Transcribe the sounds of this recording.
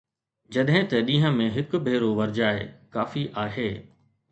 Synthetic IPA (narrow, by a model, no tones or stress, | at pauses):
d͡ʑɐɗɦɪ̃t̪ɐɗĩːɦə̃mẽɦɪkʊ̆bʱeːɾoʋɐɾd͡ʑaːekaːfiʔaːɦeː